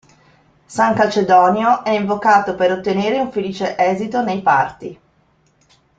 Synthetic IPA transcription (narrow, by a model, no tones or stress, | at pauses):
saŋkat͡ʃed̪ɔːnjoʔɛiɱvokaːt̪opeɾot̪ːeneːɾeuɱfeliːt͡ʃeʔɛːzit̪onejpart̪i